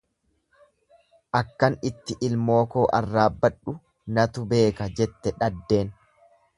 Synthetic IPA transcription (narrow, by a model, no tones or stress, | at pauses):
ʔɐkːɐnɪt̪ːɪʔɪlmo̞ːko̞ːʔɐrːaːbːɐᶑʊ | nɐt̪ʊbe̞ːkɐd͡ʒɛt̪ːɛᶑɐd̪ːe̞ːn